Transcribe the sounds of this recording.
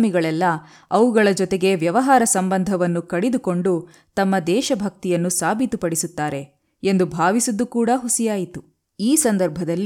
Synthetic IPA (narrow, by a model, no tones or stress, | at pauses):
miɡɐɭɛlːɐ | ɐʋuɡɐɭɐd͡ʒɔt̪e̞ɡe̞ʋjɐʋɐɦaːɾɐsɐmbɐnd̪ʱɐʋɐnːukɐɽid̪uko̞ɳɖu | t̪ɐmːɐd̪ɛːʃɐbʱɐk̚t̪ijɐnːusaːbʱit̪upɐɽisut̪ːaːɾe̞ | end̪ubʱaːʋisud̪ːukuːɽɐɦusijaːjit̪u | iːsɐnd̪ɐɾbʱɐd̪ɐlː